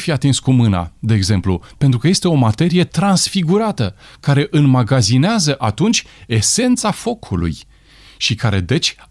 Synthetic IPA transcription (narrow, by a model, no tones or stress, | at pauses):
fiat̪inskumɨna̰d̪e̞ːɡze̞mplṵpe̞nt̪ɾukəje̞st̪e̞o̞mat̪e̞ɾije̞t̪ɾansfiɡuɾat̪əkaɾe̞ʔɨnmaɡazineazəʔat̪unt͡ʃʲ | e̞se̞nt̪safo̞kʰulṵj | ʃikaɾe̞d̪e̞t͡ʃʲ